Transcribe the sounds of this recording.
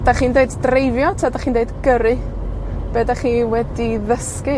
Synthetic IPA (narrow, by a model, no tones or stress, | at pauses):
daχiːndeɨddrejvjɔtʰadaχiːndeɨdɡəɾɨ | b̥edaχiːwɛdiðəskɨ